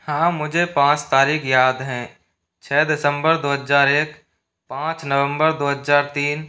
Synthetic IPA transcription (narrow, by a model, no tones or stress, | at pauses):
hãːmʊd͡ʒʱepãːt͡ʃt̪aːɾiːkʰjaːd̪ɦɛ̃ː | t͡ʃʰɛːd̪ɪsə̃mbəɾd̪oːɦəzaːɾeːk | pãːt͡ʃnəʋə̃mbəɾd̪oːɦəzaːɾt̪iːn